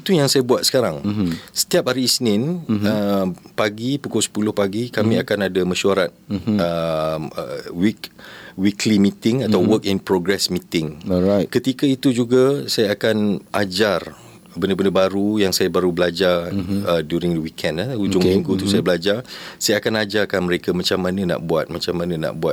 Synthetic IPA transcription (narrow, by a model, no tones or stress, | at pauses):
it̪ujaŋsajabuat̪̚sə̥kaɾaŋsə̥t̪iap̚haɾisənɪ̃nəpaɡipukʊlsə̥pulʊhpaɡikamĩakanadamaʃuaɾat̪̚əə̰wikwikʰlimit̪ɪŋat̪awwəkinpɾɔɡɾɛsmit̪ɪŋkət̪ikait̪ud͡ʒuɡasajaakanʔad͡ʒar | bəndəbəndəbaɾujaŋsajabaɾubəlad͡ʒarədjuɾɪŋdəwikʰɛndaud͡ʒʊŋmĩŋɡut̪usajabəlad͡ʒarsajaakanad͡ʒarkanməɾekamat͡ʃamːanãna̰ʔbuat̪̚mat͡ʃamãnãna̰ʔbuat̪̚